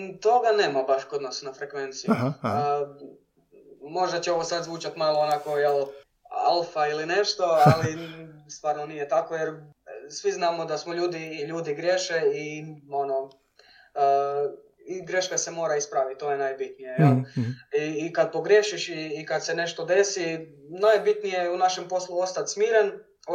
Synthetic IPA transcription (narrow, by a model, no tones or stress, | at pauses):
t̪o̞ɡane̞ːmabaʃkod̪nosnafɾekʋe̞nt̪sij | mo̞ʒd̪at͡ɕeo̞ʋosad̪zʋuːt͡ʃat̪maloːnako̞jel | alˠfailine̞ʃt̪o̞alist̪ʋaːɾnonijet̪ako̞jeɾ | sʋiznaːmo̞d̪asmoʎuːd̪iːʎuːd̪iɡɾjeʃeio̞no̞ | iɡɾe̞ʃkasemo̞ːɾaispɾaʋit̪̚t̪ːo̞ːjenajbit̪nijejeliːkad̪̚po̞ɡɾjeʃiʃiːkad̪sene̞ʃt̪o̞d̪e̞si | najbit̪nijejunaʃempo̞slˠuo̞st̪at̪smiːɾen